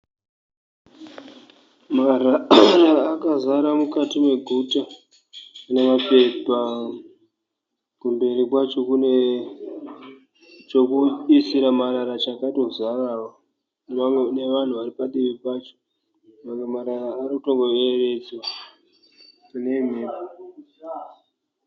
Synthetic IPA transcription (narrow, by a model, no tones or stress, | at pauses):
mararaːkazaɾamukatimwe̞ɡʱuta | ne̞mape̞pa | kumbe̞ɾikwat͡ʃo̞kune | t͡ʃo̞kuisiɾamaɾaɾat͡ʃakaito̞zarawwa | nne̞ʋan̤uʋaɾipaɗiʋipat͡ʃo̥ | ʋaŋemaɾaraːɾikutoŋɡoeret͡so | une̞m̤eːpa